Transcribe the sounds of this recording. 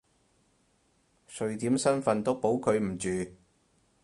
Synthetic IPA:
sɵ˨˧ɥt̪iː˨˥msɐ˥nfɐ˨˧nt̪o˥po˨˥wkʰɵ˨˧ɥm̩˨˩t͡ʃyː˨

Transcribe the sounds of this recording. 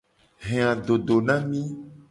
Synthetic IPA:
ɦẽ˨ã˨ɖo˨ɖo˨nã˦mĩ˦

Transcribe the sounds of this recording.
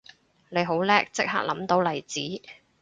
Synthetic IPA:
le˨˧jɦo˨˥wlɛː˥k̚t͡sɪ˥k̚ha̰ː˥k̚lɐ˨˥mt̪o˨˧˥wlɐ˨˩jt͡siː˨˥

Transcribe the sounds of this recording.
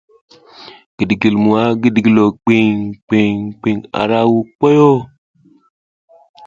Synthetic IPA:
ɡ̥i˨dɡi˨lmu˨a˦ɡi˦˨dɡi˨lo˨k͡pi˦ŋk͡pi˨ŋk͡pi˨ŋa̰˨ɾa˦wu˨k͡po˦jo˦

